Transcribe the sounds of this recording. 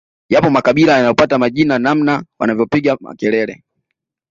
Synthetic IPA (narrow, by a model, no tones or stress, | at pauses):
japɔmakaɓilajanajɔpatamaʄinanam̩nawa̰navjɔpiɡama̰kɛlɛlɛ